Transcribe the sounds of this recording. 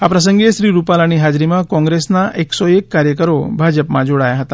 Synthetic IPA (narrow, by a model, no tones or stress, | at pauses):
hapɾəs̬əŋɡeɕɾiːɾupalaɽ̃iɦad͡ʑɾimakɔ̃ŋɡɾesnaʔeksɔekːaɾjəkəɾobʱad͡ʑəpmad͡ʑʱoɽajaɦət̪a